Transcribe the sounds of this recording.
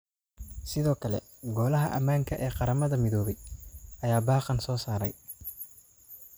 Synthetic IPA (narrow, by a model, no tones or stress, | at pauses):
sɪðɔːkʰɐlɛ̰ | ɡɔːlɐɦɐʔɐmaːŋkʰɐʔɛːqɑɾɐmɐðɐmɪðɔːβɛjʔɐjaːbɑːqɑnsɔːsaːɾɐ̰j